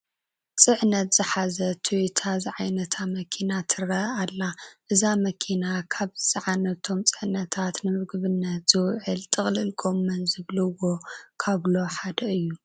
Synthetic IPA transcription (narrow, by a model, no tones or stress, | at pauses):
t͡sʼɨʕnɐt̪z̥ɨħazɐt̪ʰuwit̪ʰazɨʕajnɐt̪ʰamɐkʰinat̪ʰɨɾɐalːaʔɨzamɐkʰinakʰaβzɨt͡sʼɐʕanɐt̪ʰo̞mt͡sʼɨʕnɐt̪ʰat̪nɨmɨɡɨβɨnːɐt̪z̥ɨwʕɨlt̪ʼɨχʼlɨlɡʼo̞mːɐnzɨβlɐwo̞kʰaβlo̞ħad̪ɐɨjːu